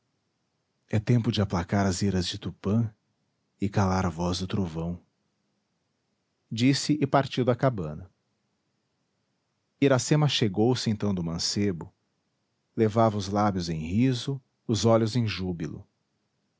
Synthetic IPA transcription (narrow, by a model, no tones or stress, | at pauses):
ɛt̪ẽmpʊd͡ʒɪaplakaɾɐziɾɐzd͡ʒɪt̪upɐ̃ | ɪkalaɾavɔzd̪ʊt̪ɾovɐ̃w̃ | d͡ʒisɪʔɪpaɾt͡ʃiwd̪ɐkabɐ̃nɐ | iɾasẽmɐʃeɡowsẽnt̪ɐ̃w̃d̪ʊmɐ̃sebʊ | levavɐʊzlabjʊzẽj̃hizʊ | ʊzɔlʊzẽj̃ʒubilʊ̰